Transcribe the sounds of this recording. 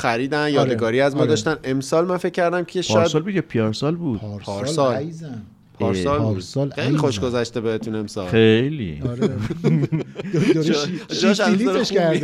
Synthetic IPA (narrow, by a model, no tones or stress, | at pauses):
xæɾiːd̪ænjɒːd̪eɡɒːɾiːæzmɒːd̪ɒːʃt̪æne̞msɒːlmænfe̞cʰʲːæɾd̪æmkʲʰieʃɾæsɒːlbud̪jepʰijɒɾsɒlbuːd̥̪ɾpʰɒːɾsɒlzæ | pʰɒːɾsɒlɾd̪lxejlixoʃɡozæʃt̪ebeet̪ʰune̞msɒ̰ːlejlḭɾ | d͡ʒɒʃæseɾæɾ